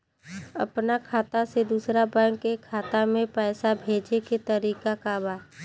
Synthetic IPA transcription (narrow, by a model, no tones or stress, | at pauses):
ɐ̰pnakʰaːt̪ased̪uːsɾabə̃kːekʰaːt̪amẽpɛːsabʱeːd͡ʒeket̪ɐɾiːkakabaː